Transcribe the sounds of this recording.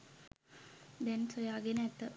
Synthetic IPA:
d̪ɛnsojaːɡenəɛt̪ːə

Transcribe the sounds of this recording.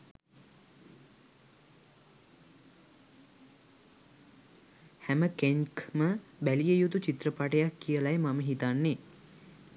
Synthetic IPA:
hæməkeŋkməbælijəjut̪ut͡ʃit̪rəpaʈəjakːijəlajmaməɦit̪anːe

